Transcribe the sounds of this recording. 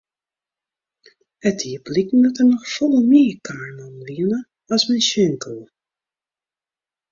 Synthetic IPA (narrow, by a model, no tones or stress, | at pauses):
ətiəblikn̩dɔtənɔxfɔlˠəmiːkʰaːɹnɔnʋiənə | ɔsmɛnsøŋkəlˠ